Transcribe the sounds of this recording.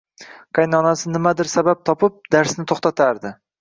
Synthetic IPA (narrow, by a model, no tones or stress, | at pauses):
qʰɑjnɒnasɪnɪmad̪ɪɾsabap̚t̪ʰɒpɪp̚d̪̥aɾsnɪt̪ʰoχt̪at̪ʰaɾd̪ɪ